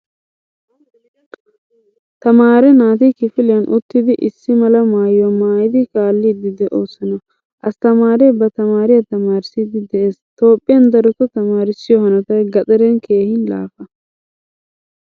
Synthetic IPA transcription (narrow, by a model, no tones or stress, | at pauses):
t̪ɐmaːɾɛnaːt̪ikɪfɪlɪjɐnʔʊt̪ːɪd̪ɪʔɪsːɪmɐlɐmaːjʊwɐmaːjɪd̪ɪkaːlːiːd̪ɪd̪ɛʔoːsɪnɐ | ʔɐst̪ɐmaːɾɛbɐt̪ɐmaːɾɪjɐt̪ɐmaːɾɪsiːd̪ɪd̪ɛʔe̞ːst̪o̞ːpʼːɪjɐnd̪ɐɾɔkːɔt̪ɐmaːɾɪsːɪjɔhɐnɐt̪ɐɡɐt͡sʼɛɾɛnkʰe̞ːhɪnla̰ːfɐ